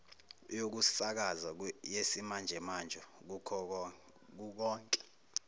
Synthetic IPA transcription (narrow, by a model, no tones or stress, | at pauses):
jok̬usak̬azajesimand͡ʒʱɛmand͡ʒʱɔk̬ukʰɔ | k̬uk̬ɔːŋkʼɛ̥